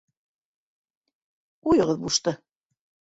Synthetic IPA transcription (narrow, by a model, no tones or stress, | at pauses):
ujɤ̆ʁɤðbuʃt̪ɤ